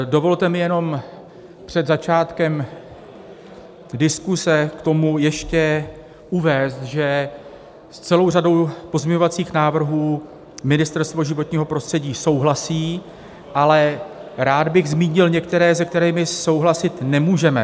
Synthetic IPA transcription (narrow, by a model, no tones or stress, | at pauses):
do̞vo̞lt̪ɛmɪjɛno̞m | pr̥ɛd̪zat͡ʃaːt̪kɛm | dɪskusɛkt̪o̞mujɛʃcɛ | ʔuvɛːst̪ʒɛ | st͡sɛlo̞wrado̞wpo̞zmɲɛɲo̞vat͡siːxnaːvr̩ɦuː | mɪnɪst̪ɛɾst̪voʒɪvo̞t̪ɲiːɦo̞pɾo̞st̪r̥ɛɟiːso̞wɦlasiː | ʔalɛɾaːd̪bɪɣzmiːɲɪlɲɛkt̪ɛɾɛːzɛk̚t̪ɛɾiːmɪso̞wɦlasɪt̪nɛmuːʒɛmɛ